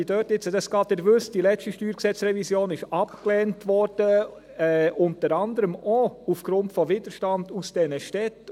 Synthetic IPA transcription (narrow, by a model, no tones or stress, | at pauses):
idøːtɪt͡sədɑsɡ̥ɑːt̪ɛɾʋʏstd̥ilɛstiʃtyːɾksɛt͡sɾɛvisjoːnɪʃɑpklɛːntʋɔɾd̥ə | ɛʔʊntəɾɑndəɾəmoufɡ̥ɾʊntfɔvɪd̥əɾʃtɑnd̥usd̥ɛnəʃtɛt